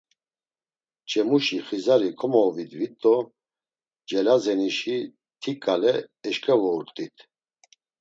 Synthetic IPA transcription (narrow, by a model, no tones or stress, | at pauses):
t͡ʃʼɛmuʃiχizaɾikʰʼɔmɔːvid̪vit̪ʼːɔ | d͡ʒɛlazɛniʃi | t̪ʰikʼalɛːʃkʼɛvɔuɾt̪ʼit̪ʰ